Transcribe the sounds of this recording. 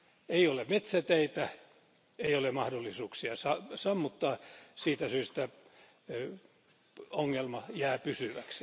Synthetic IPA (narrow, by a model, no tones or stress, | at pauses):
eijolemet̪sæt̪eit̪æ | eijolemɑhdolːisuːksiɑsɑsɑmːut̪ːɑːsiːt̪æsyːst̪æ | oŋːelmɑjæːpysyʋæks